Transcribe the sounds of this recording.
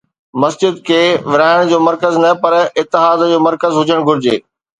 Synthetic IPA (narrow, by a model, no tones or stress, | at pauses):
mɐsd͡ʑɪd̪kʰeːʋɪɾaːɪɽ̃d͡ʑoːmɐɾkəznɐpɐɾɪt̪ːɪɦaːd̪d͡ʑoːmɐɾkəzɦʊd͡ʑəɽ̃ɡʱʊɾɪd͡ʑḛː